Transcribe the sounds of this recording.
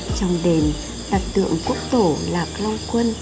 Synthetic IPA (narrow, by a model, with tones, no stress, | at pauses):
t͡ɕɔ˧wŋ͡mɗe˨˩m | ɗ̪a˨˩t̚t̪ɨ̰˧˨əŋku˦˥ək̚t̪o˧˩laː˨˩k̚la˧wŋ͡mkwə˧n